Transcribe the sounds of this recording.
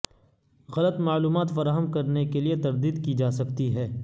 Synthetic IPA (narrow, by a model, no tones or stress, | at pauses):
ɣɐlət̪maːluːmaːt̪fɐɾaːɦəmkɐɾnekeliet̪ɐɾd̪iːd̪kid͡ʒaːsɐkt̪iɦɛː